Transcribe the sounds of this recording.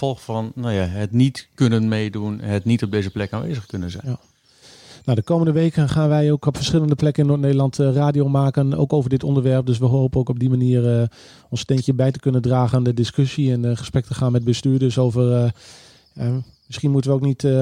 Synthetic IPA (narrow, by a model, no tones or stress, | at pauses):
fɔlˠxfɑnnajaɦətnitkønənmejdunnɦətnitɔb̚dejzəplɛkaːnʋḛːjzəχkønənzɛ̰ | nowdəkowməndəʋejkənχaːnʋɛjowkɔpfəɹsχɪlˠəndəplɛkənɪnːoːtnejdəlˠɑntraːdiowmaːkəno̰wkowvəɹdɪtɔndəɹʋɛɹp̚dɵs̬ʋəɦowpənokɔb̚dimaniːərə | ɔnstɛntjəbɛjtəkønəndraːχəndədɪskøsiɛnχəsprɛk̚təχaːnmɛt̚bəstyːɹdɵsowvər | jamɪsχinmutənʋəowknit